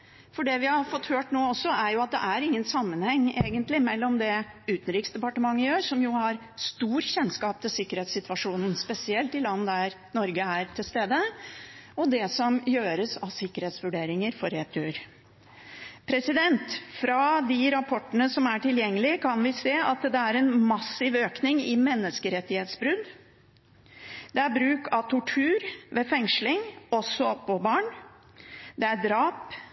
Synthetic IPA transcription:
fɔɖɛʋɪhɑɾfɔt̪ːhøːʈnoːɔsːɔæɾjʊɑt̪̚d̪ɛ̰ʔæɾɪŋːənsɑmːənhɛŋːeːɡənt̪lɪmɛlːɔmd̪ɛʉːt̪n̩ɾiːksd̪ɛpɑʈəmɑŋːəjøːsɔmjʊhɑɾ | st̪uːɾçɛnːskɑːp̚t̪ʰɪlsɪkːəɾheːt̪sɪt̪ʋɑʂuːnn̩spɛsɪɛlt̪ɪlɑnːəd̪æɾ | nɔɾɡəæɾt̪ʰɪlst̪eːd̪ə | ɔd̪ɛsɔmjøːɾəsɑʋsɪkːəɾheːt̪sʋʉɖeːɾɪŋəɾfɔɾeːt̪ʰʉːɾ | pʰɾɛsɪd̪ɛnt̪fɾɑd̪ɪɾɑpʰɔʈːənəsɔmæʈɪljɛŋːəlɪəkʰɑnʋɪseːɑt̪d̪ɛæɾɛnmɑsːɪʋøːknɪŋɪmɛnːəskəɾɛt̪ːɪheːt̪sbɾʉd̪ | d̪ɛæɾbɾʉːkɑʋt̪ʰʊʈʰʉːɾʋefɛŋʂlɪŋɔsɔpːɔbɑːɳ | d̪ɛæɾɖɾɑːp

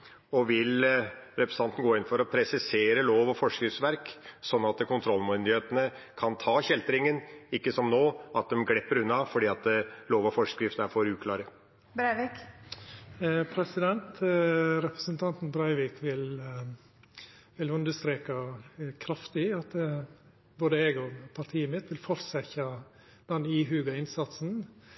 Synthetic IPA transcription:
ɔʋɪlɾɛpɾəsɑnt̪ən̩ɡoːɪnfɔɾɔpʰɾɛsɪseːɾəloːʋɔfɔʂkɾɪftsʋæɾksɔnːɑt̪kʰʊnt̪ʰɾɔlːmʉnd̪ɪheːt̪ənə | kʰɑnt̪ʰɑːɕɛlt̪ɾɪŋənɪkːəsɔmnoːɑt̪̚d̪ɛmɡlɛpːəɾʉnːɑfɔɖiːɑt̪loːʋɔfɔʂkɾɪft̪əæɾfoːɾʉːkʰlɑːɾə | bɾɑɪʋik | pʰɾɛsɪd̪ɛnt̪ɾɛpɾəsənt̪ʰɑnt̪n̩bɾɑɪʋɪːkʋɪl | ʋɪlʉnd̪əst̪ɾeːkɑkʰɾɑft̪ɪɑt̪ | boːd̪əɛɡɔpʰɑɾʈ̪ʰiːəmɪt̪ʋɪlfɔɾsɛçɑ | d̪̥ɛniːɦʉːɡɑɪnsɑt̪sn̩

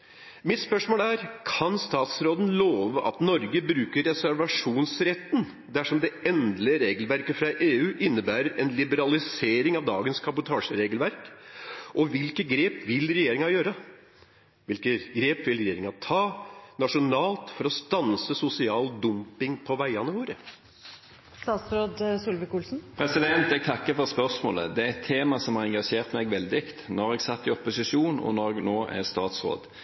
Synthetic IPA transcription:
mɪt̪spœʂmoːlæɾkʰɑnst̪ɑːt̪sɾoːd̪ən̩loːʋəʔɑ̰t̪nɔɾɡəbɾʉːkəɾɛsæɾʋɑʂuːnsɾɛt̪ːn | d̪æʂɔmd̪ɛʔɛnd̪ləɾeːɡəlʋæɾkəfɾɑʔeːʉːʔɪnːəbæːɾəɾɛnlɪbəɾɑlɪseːɾɪŋɑʋd̪ɑ̰ːɡənskʰɑbʊt̪ʰɑːʂəɾeːɡəlʋæɾkʔɔʋɪlkəɡɾeːpʋɪlɾɛjeːɾɪŋɑjøːɾə | ʋɪlkəɡɾeːpʋɪlɾɛjeːɾɪŋɑt̪ʰɑːnɑʂʊnɑːlt̪fɔɾɔst̪ɑnsəsʊsɪɑːld̪ʊmpɪŋpʰɔʋæɪɑnəʋoːɾə | st̪ɑːt̪sɾoːd̪sʊlʋəkuːlsn̩pʰɾɛsɪd̪ɛnt̪ɛɡ̚t̪ʰɑkːəfɔʁspœʁsmoːlə̰d̪ɛæɛt̪ʰːeːmɑsɔmhɑʁɛŋɡɑʂeːʁt̪mɛɡʋɛld̪ɪkt̪nɔʁɛɡsɑt̪ːɪɔpʊsɪʂuːnɔ̰nɔɡnoːʔæ̰ʁst̪ɑːt̪sʁo̰ːd̪

